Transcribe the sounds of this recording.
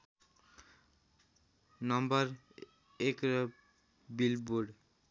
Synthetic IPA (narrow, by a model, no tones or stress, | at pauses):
nʌmbaɾ | ekɾɔ | bilbuɖ